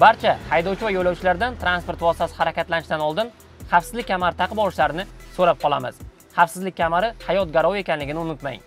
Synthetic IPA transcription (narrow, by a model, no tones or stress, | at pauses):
baɾt͡ʃʰahajd̪ɒwt͡ʃʰɪvajojlːawt͡ʃʰɪlaɾd̪ant̪ʰɾanspo̞ɾt̪vɒst̪asɪhaɾakʲat̪lanɪʃd̪anɒlˠd̪ɪn | χɑfsɪzlɪkʲkʰʲːamaɾɪt̪ʰaqʰɨbɒlˠɪʃlaɾɪnɪsoɾap̚qʰɒlˠamɪ̰z̥ | χafsɪzlɪkʲːʰamaɾɪhajɒt̪̚ɡʲaɾɒwe̞kʲanlɪɡʲɪnɪʊnɪt̪ma̰j